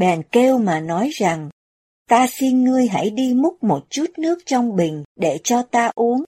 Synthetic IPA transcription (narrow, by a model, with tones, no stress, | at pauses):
ɓɛ˨˩nke˧wmaː˨˩nɔ˨˦jza˨˩ŋ | t̪aː˧si˧nŋɨ˧əjɦa̰˧˥˩jɗi˧mʊ˦˥t̚mo˨˩t̚t͡ɕu˦˥t̚nɨ˦˥ək̚t͡ɕɔ˧wŋ͡mɓï˨˩ŋ̟ɗe˧˩t͡ɕɔ˧t̪aː˧ʔu˨˦əŋ